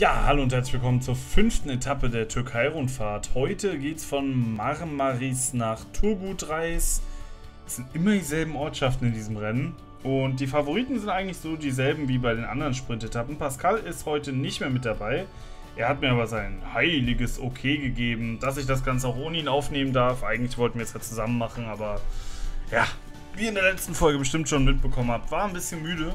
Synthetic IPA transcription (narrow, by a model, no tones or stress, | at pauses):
jaːha̰loːʊnthɛɐt͡slɪçv̥ɪlkʰɔmənt͡suːɐfʏnftn̩etʰapədeːɐtʰʏɐkʰaɪʁʊntfaːɐthɔʏtəɡeːtsfɔnmaʁnmaʁisnaːχtʰʊɐbudʁaɪs | sz̥ɪntʔɪmɐdiːzɛlbm̩ʔɔɐtʃaftn̩ɪndiːzəmʁɛnən | ʔʊnt̚d̥iːfavoʁ̞iːtn̩zɪntʔaɪɡŋ̩tlɪçz̥oːdiːzɛlbm̩viːbaɪdeːnʔa̰ndəʁənʃpʁ̥ɪntetʰapm̩paskʰalɪsthɔʏtənɪçtmeːɐmɪt̚d̥abaɪ | ʔeːɐhat̚miɐaːbɐzaɪnhaɪlɪɡəsʔokʰeːɡəɡeːbm̩d̥as̬ɪçd̥as̬ɡ̥ant͡səaʊxʔoːnəiːnaʊfneːməndaɐfʔaɪɡŋ̩tlɪçv̥ɔltn̩viɐsjaːt͡suzamənmaχn̩ʔaːbɐ | jaː | viːɐɪndeːɐlɛt͡stn̩fɔlɡəbəʃtɪmtʃoːnmɪt̚b̥əkʰɔmənhaːptv̥aːnbɪsçənmyːɾə